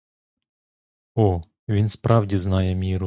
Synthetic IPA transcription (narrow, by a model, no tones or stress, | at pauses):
ɔ | ʋʲinspɾʔɑwdʲiznɑjɛmʲiɾʊ